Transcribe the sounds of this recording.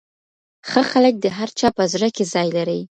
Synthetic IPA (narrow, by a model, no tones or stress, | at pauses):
xəxalək̚d̪əɦaɾt͡ʃɑpəzɾakezɑjlaɾəj